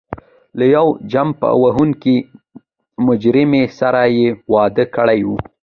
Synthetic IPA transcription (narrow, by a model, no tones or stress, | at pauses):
lajawd͡ʒampə̰a̰waɦuŋki | mʊd͡ʒɾɪmesaɾajewɑd̪əkəɽajwu